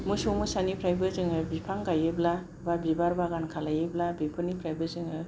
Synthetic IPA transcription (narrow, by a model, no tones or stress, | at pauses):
mɯsumɯsanipʰɾajbɯzɯŋɯbipʰaŋɡajɯbla | babibaɾbaɡankʰalajɯblabipʰɯnipʰɾajbɯzɯŋɯ